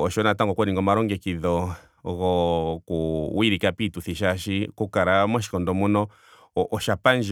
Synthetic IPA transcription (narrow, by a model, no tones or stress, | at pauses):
ɔʃɔnataŋɡɔkɔɾiŋɡɔmaɾɔŋɡɛkiðɔ | ɣɔkuwiɾikapituθiʃ̬aʃikukaɾamwaʃ̬i̥kɔndɔmunɔ | ʔːʃapand͡ʒ